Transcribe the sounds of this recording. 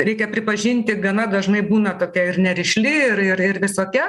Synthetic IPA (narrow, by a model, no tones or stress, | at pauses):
ɾʲɛɪkʲɛpʲɾʲɪpɐʒʲɪnʲt̪ʲɪɡɐnɐd̪ɐʒmɐɪbuːnɐt̪oːkʲɛɪrnʲɛɾʲɪʃʲlʲɪɪɾɪɾɪrʋʲɪsoːkʲɛ